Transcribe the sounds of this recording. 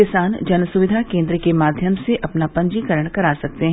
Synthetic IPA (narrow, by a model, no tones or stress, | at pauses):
ɪsaːnd͡ʒɐnəsʊʋɪd̪ʱakẽːnd̪ɾəkemaːd̪ʱjəmseʔɐpnapɐ̃ɲd͡ʒiːkəɾəɽ̃kɐɾaːsɐk̚t̪eɦɛ̃